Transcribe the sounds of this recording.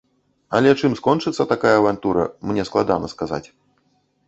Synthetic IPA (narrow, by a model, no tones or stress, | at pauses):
ɐlʲɛt͡ʂɨmskɔnt͡ʂɨt̪sːɐt̪akajɐːvant̪uɾɐ̰mnʲɛsklˠad̪a̰nɐskaza̰t͡sʲ